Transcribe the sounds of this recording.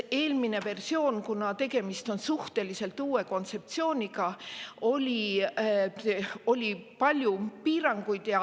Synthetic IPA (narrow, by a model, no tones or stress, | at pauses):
e̞ːlmine̞ve̞rsio̞ːnkunɑt̪e̞ɡe̞mist̪o̞nsuht̪e̞lise̞lt̪uːe̞ko̞nt̪se̞p̚t̪sio̞ːnʲiɡ̥ɑo̞lʲi | o̞lʲipɑlʲjupiːɾɑŋɡ̥ujd̪̥jɑ